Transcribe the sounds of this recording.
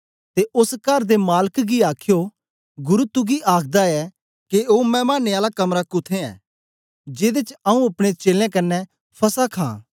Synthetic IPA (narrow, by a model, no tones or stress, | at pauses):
t̪eʔʊskɐɾd̪emaːləkɡiaːkʰjo | ɡʊɾut̪uɡiʔaːkʰd̪aɛ | keoːmɛ̃ːmaːneaːlakɐmɾakʊt̪ʰẽɛ̰ː | d͡ʒeːd̪et͡ʃɐũɐpɽ̃et͡ʃeːlãkɐnːɛ | pʰɐsakʰã̰ː